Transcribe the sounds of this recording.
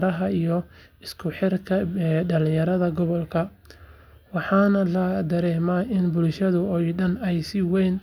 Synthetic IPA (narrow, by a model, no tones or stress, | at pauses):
ɾɐɦɐijɔ | ɪskʰʊħɪrkʰɐɖɐlɪjɐɾɐðɐɡɔβɔlkʰɐ | wɑħɑːnɐlɐd̪ɐɾɛːmaːɪnbʊlʃɐðʊɔjɖɐnɛjsɪwɛːn